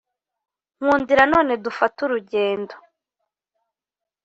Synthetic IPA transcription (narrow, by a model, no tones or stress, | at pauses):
ŋ̥uːndiɾano̞ːne̞dufatuɾuɟe̞ːndo